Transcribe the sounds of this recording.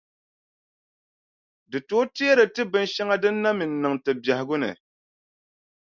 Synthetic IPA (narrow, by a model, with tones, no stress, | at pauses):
dɨ˨to˨˦ti˦a˦ɾɨ˨tɨ˦bɨ˦nʃa˦ŋa˦dɨ˦nː˦a˦mi˨n̩ː˨ɨ˨ŋtɨ˨ba˨hɪ˨˦ɡʊ˦nɨ̰˨